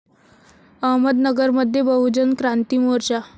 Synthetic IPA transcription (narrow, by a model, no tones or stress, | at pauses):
əɦməd̪nəɡəɾməd̪ʱːjebəɦud͡ʑənkɾant̪imoɾt͡ɕa